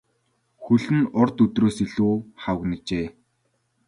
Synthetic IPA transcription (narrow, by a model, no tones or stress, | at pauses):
xɵɮɘ̆nʊrt̪ɵt̪roːsiɮuːχawə̆knə̆t͡ɕeː